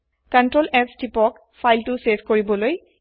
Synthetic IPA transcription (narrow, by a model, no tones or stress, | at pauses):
kantɹolɛstipɔk | fʰajltʊsefʰkoɹibɔloj